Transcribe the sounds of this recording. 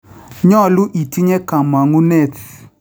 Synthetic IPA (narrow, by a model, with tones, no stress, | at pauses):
ɲɔ˦˨lu˦ʔi˨ti˦ɲe˦ka˨ma˨ŋu˦ne˦˨t